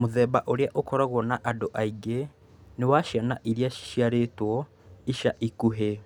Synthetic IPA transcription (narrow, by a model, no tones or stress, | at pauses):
moðɛːbaʔoɾeaʔokɔɾaɣwɔnaʔadoʔaiɡe | newaʃianaʔiɾiai̥ʃiaɾetwɔ | iʃaʔikuɦe